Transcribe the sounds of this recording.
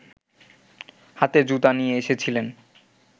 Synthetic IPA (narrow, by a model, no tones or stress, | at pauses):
hat̪ed͡ʑut̪anijeeʃet͡ɕʰilen